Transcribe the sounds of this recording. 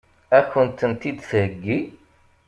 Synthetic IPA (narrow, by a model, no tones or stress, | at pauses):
æçənt̪ənt̪id̪θhəɡːi